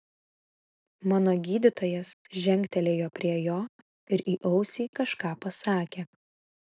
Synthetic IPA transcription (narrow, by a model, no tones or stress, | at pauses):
mɑːnoːɡʲiːd̪ʲɪt̪oːjɛsʒʲɛŋʲkʲt̪ʲɛlʲeːjoːpʲɾʲiɛjoː | ɪɾʔiːʔɐʊsʲiːkɐʃkɑːpɐsɑːkʲeː